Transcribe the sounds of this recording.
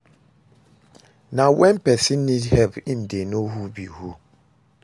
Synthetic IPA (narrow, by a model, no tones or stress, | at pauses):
nãwɛ̃mpɛsinĩdhɛbin̩denoɦubihu